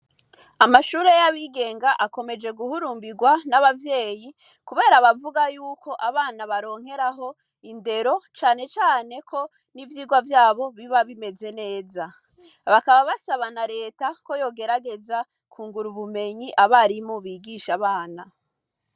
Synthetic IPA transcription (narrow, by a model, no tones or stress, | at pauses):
amaʃuːɾe̞jaβiɡe̞ːŋɡaʔako̞me̞d͡ʒe̞ɡuhuɾuːmbiɡwanaβavje̞ːji | kuβe̞ːɾaβavuɡajuːkʰo̞ʔaβaːnaβaɾo̞ːŋ̥he̞ɾaɦo̞ | inde̞ɾo̞t͡ʃaːne̞t͡ʃaːne̞kʰo̞ | nivjiːɡwavjaːβo̞βiβaβime̞ze̞ne̞ːza | βakaβaβasaβanaɾe̞ːtako̞jo̞ːɡe̞ɾaɡe̞za | kʰuːŋɡuɾuβume̞ɲiʔaβaɾimoβiːɡiʃaβaːna